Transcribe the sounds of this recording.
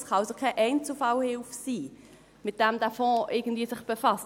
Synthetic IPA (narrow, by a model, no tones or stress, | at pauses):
sχɑlsəkʰɛʔɛɪnt͡sufɑwhɪlfsiː | mɪt̚d̥ɛmd̥æfɔ̃ːʔɪɡən̩d̥viːəsɪχb̥efɑst